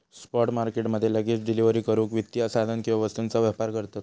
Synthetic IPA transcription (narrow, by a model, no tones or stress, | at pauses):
spɔʈmaɾkeʈməd̪ʱjeləɡit͡sɖiliʋəɾiːkəɾuːkʋit̪ːjasad̪ʱənkiʋaʋəst̪unt͡saʋjapaɾkəɾt̪ot̪